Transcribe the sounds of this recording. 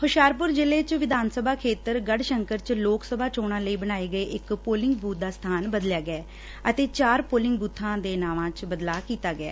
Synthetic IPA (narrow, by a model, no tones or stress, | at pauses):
hʊʃaːɾp̬ʊɾd͡ʒɪleːt͡ʃʋɪd̪aːnsəbʱaːkʰeːt̪əɾɡəɖʃəŋkəɾt͡ʃloːksəbʱaːt͡ʃoːɽ̃ãːləiːbəɽ̃aːeːɡəeːʔɪkpoːlɪŋɡbuːt̪̚d̪aːst̪ʰaːnbəd̪ljaːɡəɛː | ət̪eːt͡ʃaːɾpoːlɪ̃ŋɡbuːt̪ʰːãːd̪eːnaːʋãːt͡ʃbəd̪laːkiːt̪aːɡɪa̰ː